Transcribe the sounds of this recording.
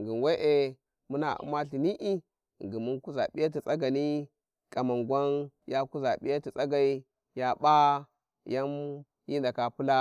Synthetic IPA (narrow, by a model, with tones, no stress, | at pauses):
ŋɡi˨n˨we˦ʔe˨ | mu˦na˨ṵ˦ma˦ɬi˨ni˦ʔi˦˨ | ŋɡi˨mu˦nku˦za˨ɓi˦ja˦t̬i˨t͡sʼa˦ɡa˨ni˦ | ka˨ma˨ŋɡwa˦n | ja˦ku˦za˨ɓḭ˦ja˦ti˨t͡sʼa˦ɡa˨i˦ | ja˦ɓa˦ | ja˦m | ji˦nda˨ka˨pu˦la˦